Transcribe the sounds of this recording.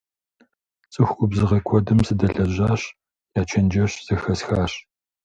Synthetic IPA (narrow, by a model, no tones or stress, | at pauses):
t͡sʼɨxʷʊbzɨʁɐkʷʰɔdɨmsɨdɐɮɐʑaːɕ | jaːt͡ʃʰɐnd͡ʒɐɕz̥ɐxɐsxaːɕ